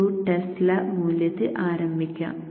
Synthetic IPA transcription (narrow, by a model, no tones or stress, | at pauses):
uːʈːeslɐmuːljɐt̪ːɨʔaːɾɐmbʱikʲːa̰ːm